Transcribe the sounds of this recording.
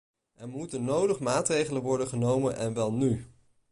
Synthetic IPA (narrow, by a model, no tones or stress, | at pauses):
ʔɛɹmutənːowdəχmaːtrejχələnʋɔɹdəχənowmənʔɛ̰nʋɛlˠny